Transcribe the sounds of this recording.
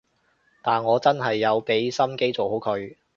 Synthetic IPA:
t̪aː˨nŋɔː˨˧t͡sɐ˥nɦɐ˨jːɐ˨˧wpe˨˥jsɐ˥mke˥jt͡so˨who˨˥wkʰɵ˨˧ɥ

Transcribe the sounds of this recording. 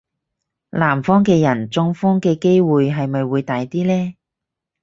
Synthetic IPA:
laː˨˩mfɔː˥ŋkɛː˧jɐ˨˩nt͡sʊ˧ŋfɔː˥ŋkɛː˧ke˥jwuː˨jɦɐ˨jmɐ˨jwuː˨˧jt̪aː˨jt̪iː˥lɛː˥

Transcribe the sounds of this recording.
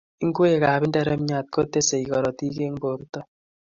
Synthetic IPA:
i˦ŋɡwe˦˨ka˨bi˦ndɛ˦ɾɛ˦m˦ɲa˨t̚ko˦tːe˦se˨i˨kɔ˨ɾɔ˨ti˦ke˦ŋbo˨ɾu˦tɔ˦

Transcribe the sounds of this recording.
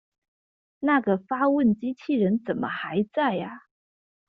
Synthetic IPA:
na˥˩ɡə˩fa˥wə˥˩nt͡ɕi˥t͡ɕʰi˥˩ɻə˧˥nt͡sə˨˩nmʔə̰˦xa˧˥ɪt͡sa˥˩ɪa˩

